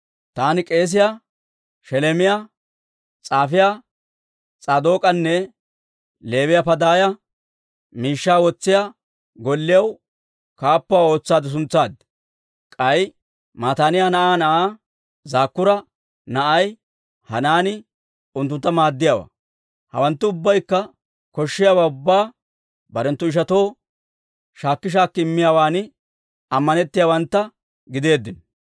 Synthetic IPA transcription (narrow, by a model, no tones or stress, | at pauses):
t̪aːnɪkʼe̞ːs̬ɪja | ʃɛlɛmɪja | t͡sʼaːfɪja | t͡sʼaːd̪o̞ːkʼɐnːɛ | le̞ːwɪjapɐd̪aːjɐ | miːʃːaːwɔt͡sːɪja | ɡɔlːɪjɐw | kaːpːʊaːo̞ːt͡sːaːd̪ɪs̬ʊnt͡sːaːd̪ | kʼɐj | maːt̪aːnɪjaːnɐʔaːnɐʔaː | zaːkːʊɾɐ | nɐʔɐj | hɐnaːnɪ | ʊnt̪̬ːʊnt̪ːɐmaːd̪ːɪjaːwa̰ | hɐ̰wɐnt̪ːʊʊbːɐjkːɐ | kɔʃːɪjaːwaːʊbːaː | bɐɾɛnt̪ːʊɪʃ̬ɐt̪o̞ː | ʃaːkːɪʃ̬aːkːɪɪmːɪjaːwaːnɪ | ɐmːɐnɛt̪ːɪjaːwɐnt̪ːɐ | ɡɪd̪e̞ːd̪ːɪn